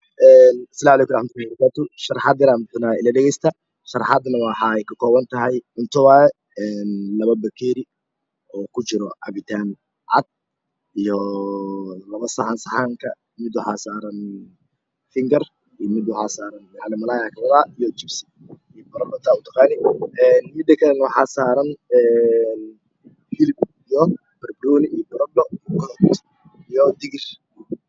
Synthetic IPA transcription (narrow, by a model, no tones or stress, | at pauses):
ʔɛːnsɐlaːmʕlɛːkʊmɾˤɑħmɐt̪ʊlabɐɾɐkʰaːt̪ʊʃɐrħɑːd̪ɪɾaːmt̪naːɪlɐɖɛɣɛjst̪ʰɐ | ʃɐrˤħɑd̪nɐwɑħɑɛjkʰɐkʰɔːβɐnt̪ʰɐɦɛjʊnt̪ʰʊwaːɛ | ɛːnlɐβɐbɐkʰɛːɾɪ | ɔːkʰʊt͡ʃɪɾɔʕɑ̰βɪt̪ʰaːn | ʕɑ̰d̪̚ | ijɔ | lɐβɐsɐħansɐħaːŋkʰɐ | mɪd̪ʊħaːsaːɾɐn | fɪŋɡɐr | ijmɪd̪wʊħaːsaːɾɐnħɑlɪmɐlaːjakʰɐlɐðaːijɔt͡ʃɪbsɪ̥ | ijbɐɾɔɖɔt̪ʰaːʊt̪ʰɐqɑːnɪɛːnmɪd̪ːɐkʰɐlɛnwħaːsaːɾɐnɛːn | fɪlɪb | ijɔ | b̥ɛrbɾɔːnɪijɔbɔɾɔɖɔijkʰɔlɔt̪ | ijɔd̪ɪɣɪr